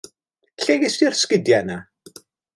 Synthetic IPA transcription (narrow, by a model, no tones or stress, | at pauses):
ɬeɡɪsirskədjana